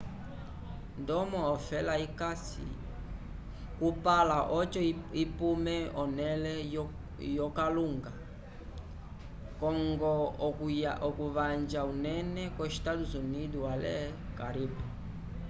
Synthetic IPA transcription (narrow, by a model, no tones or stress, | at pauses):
ndɔmɔɔfɛlaikasḭ | kupalaʔɔt͡ʃɔipumɛɔnɛlɛ | jɔkaluŋɡa | kɔŋɡɔ | aʔɔkuβand͡ʒaunɛnɛkwɛʃtatuzuniduwalɛ̰kaɾipɛ